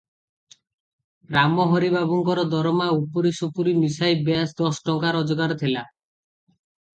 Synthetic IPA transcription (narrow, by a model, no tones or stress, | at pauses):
ɾamɔɦɔɾibaβɔŋkɔɾɔd̪ɔɾɔmaupɔɾisupuɾimisajbeasd̪ɔsʈɔŋkaɾɔd͡ʒɔɡaɾt̪ʰela